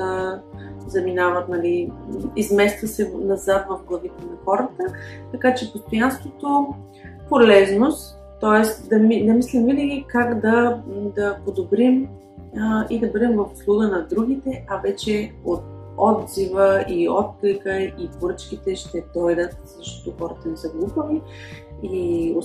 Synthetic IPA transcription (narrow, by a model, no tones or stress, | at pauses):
ə | zɐminavət̪nɐliizmɛst̪vɐsɛnɐzat̪vɐfɡlˠɐvit̪ɛnɐxɔɾət̪ət̪ɐkat͡ʃɛpost̪ojanst̪vot̪o | polɛznost̪ːɔɛst̪d̪ɐmid̪ɐmislimvinəɡʲikakd̪ɐd̪ɐpod̪obɾim | id̪ɐbɤd̪ɛmvɐfʊ̥slˠuɡənɐd̪ɾuɡʲit̪ɛʔɐvɛt͡ʃɛot̪̚ | ɔd̪zivəiɔt̪̚klɛkəipoɾət͡ʃkʲit̪ɛʃt̪ɛd̪ɔjd̪ət̪̚zɐʃt̪ɔ̥t̪oxɔɾət̪ənɛsəɡlˠupəvi | io